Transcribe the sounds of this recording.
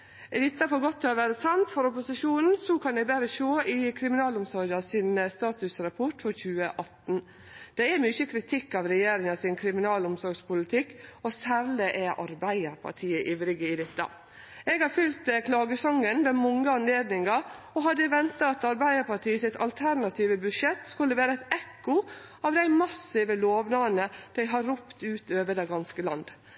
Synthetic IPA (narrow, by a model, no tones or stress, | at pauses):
ɛd̪ɪt̪ːɑfɔɾɡɔt̪ʰːɛɔʋæːɾəsɑnt̪fɔɾɔpʊsɪʃuːnn̩sɔkʰɑnɛɡbæɾəʃoːʔɪkʰɾɪmɪnɑːlʊmsɔɾɡɑsɪnəst̪ɑːt̪ʉsɾɑpʰɔʈfɔɾçʉːəʔɑt̪n̩ | d̪̥ɛɛmʏçəkʰɾɪt̪ʰɪkːɑʋɾɛjeːɾɪŋɑsɪnkʰɾɪmɪnɑːlʊmsɔɾɡspʊlɪt̪ʰɪkːɔsæːɾlɪʔɛʔɑ̰ɾbæɪəɾpʰɑ̰ʈʰiːəʔɪʋɾɪɡəɪd̪ɪt̪ːɑ̰ | ɛɡhɑɾfʏlt̪kʰlɑːɡəsɔŋːənʋɛmɔŋːəɑnleːd̪nɪŋɑ | ɔɦɑd̪ːəʋɛnt̪ɑɑt̪ɑɾbæɪəɾpɑʈʰiːəsɪt̪ʰɑlt̪ʰæɾnɑt̪ʰiːʋəbʉʂɛt̪ːskʉlːəʋæːɾəæɪt̪ɛkːʊɑːʋd̪æɪmɑsɪʋəloːʋnɑːənəd̪̥æɪɦɑɾʊpt̪ʉːt̪øːʋəd̪ɛɡɑnskəlɑnd̪